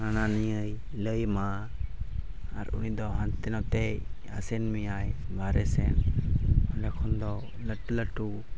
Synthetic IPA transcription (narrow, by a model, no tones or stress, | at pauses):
ananijəj | ləjma | ɾṵnid̪ɔɦant̪ɛnɔt̪ɛj | a̰sɛnmijajbʱaɾɛsɛn | alakʰɔnd̪ɔ | ləʈːuləʈu